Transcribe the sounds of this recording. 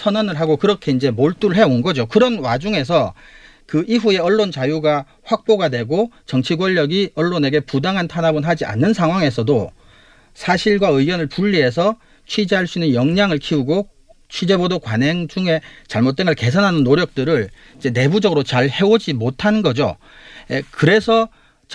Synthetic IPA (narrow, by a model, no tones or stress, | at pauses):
sʰʌnʌnɯɭɦaɡokɯɾʌkʰe̞ind͡ʑe̞moɭt͈uɾɯɭɦe̞onɡʌd͡ʑokɯɾʌnwad͡ʑuŋe̞s̬ʰʌ | kɯʔiɸue̞ʌɭːont͡ɕajuɡa | ɸwak̚p͈oɡadwe̞ɡot͡ɕʌŋt͡ɕʰiɡwʌʎːʌɡiʌɭːone̞ɡe̞pudaŋɦantʰanabɯnɦad͡ʑia̰nːɯnsʰaŋɦwaŋe̞s̬ʰʌdo | sʰaɕʰiɭɡwaɯwʌnɯɭpuʎːie̞sʰʌ | t͡ɕʰwid͡ʑeɦaɭs͈inɯnjʌŋɲaŋɯɭkʰiuɡo | t͡ɕʰwid͡ʑe̞bodokwanɦeŋd͡ʑuŋe̞t͡ɕaɭmot̚t͈eŋɯɭke̞sʰanɦanɯnːoɾjʌk̚t͈ɯɾɯɭ | id͡ʑe̞ne̞bud͡ʑʌɡɯɾot͡ɕaɭhe̞wod͡ʑimotʰannɡʌd͡ʑo̰ | ekɯɾe̞sʰʌ